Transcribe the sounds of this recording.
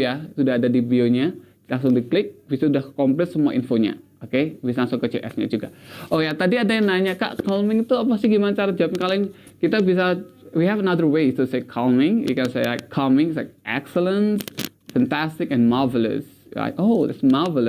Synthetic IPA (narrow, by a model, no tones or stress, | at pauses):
jasudaɦadadibioɲa | laŋsʊŋd̪uklɪk̚bisaudahkɔmplɛt̪səmua̰ʔinfoɲa̰ | okebisalaŋsʊŋkət͡ʃɪlʔɛ̰sɲa̰d͡ʒuɡa̰ʔojat̪adiadajaŋnaɲaka̰ʔkalmɪŋt̪uapasɪhɡimanat͡ʃaɾad͡ʒapnkalɪŋ | kit̪abis̬awiɦɛvənaðərwet̪usekʰalmɪŋjṵkɛnsejla̰jkʰːalmɪŋsla̰ɪk̚ʔɛ̰ksələ̃nsfɛnt̪ast̪ɪkɛ̃nmavələ̰s | la̰ɪkod̪ɛtsmavələ